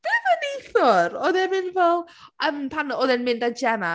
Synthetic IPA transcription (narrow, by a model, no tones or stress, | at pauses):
ð̥ɛvəniθɔɾɔðɛnmɪnvɛlˠ | əmpʰanɔðɛnmɪndad͡ʒɛna